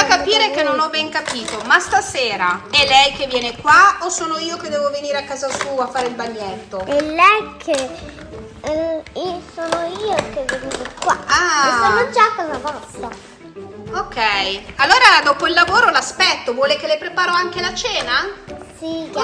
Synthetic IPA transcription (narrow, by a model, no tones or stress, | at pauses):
akːapiːɾekenːonɔbːɛŋkapiːt̪omast̪aseːɾaɛlːɛjk̟evːjɛːnekwaosoːnoiːoked̪ːɛːvoveniːɾeakːaːzasuːafːaːɾeilbaɲːɛt̪ːoelːɛjkʰe | esoːnoiːokevːenuːt̪okwa̰aessonod͡ʒakːazavɔst̪ːa | okːɛjalːoːɾad̪oːpoilːavoːɾolaspɛt̪ːovwɔːlek̟elepɾepaːɾoaŋk̟elat͡ʃɛːnasi